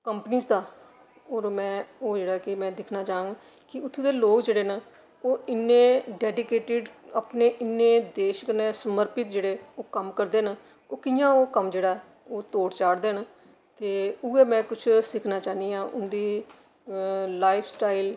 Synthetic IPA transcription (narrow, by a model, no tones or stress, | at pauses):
kəmpəniːzd̪aː | oːɾmɛ̃ːoːd͡ʒeːɽaːkɪmɛ̃ːd̪ɪkʰnaːt͡ʃãːɡa | kɪʊt̪ʰːed̪eːloːkd͡ʒeːɽeːne | oːɪnːeːɖɛːɖɪkeːʈɪɖaːpneːʔɪnːeːd̪eːʃəkəneːsəməɾpɪt̪d͡ʒeːɽeːoːkəmkəɾd̪eːnə | oːkɪjãːoːkəmd͡ʒeːɽaːɛ | oːt̪oːɽt͡ʃaːɽd̪eːn | t̪eːuːeːmɛ̃ːkʊt͡ʃʰsɪkʰnaːt͡ʃaːniːãːʔʊ̰nd̪iː | laːɪpʰsʈaːil